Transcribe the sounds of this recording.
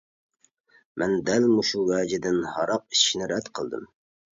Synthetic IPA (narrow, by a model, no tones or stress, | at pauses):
mʔɛnd̪ælmuʃuwæːd͡ʒɪd̪ɪnhɑɾɑq̚i̥t͡ʃʰi̥ʃnɪɾɛd̪qʰəlˠd̪ɨ̰m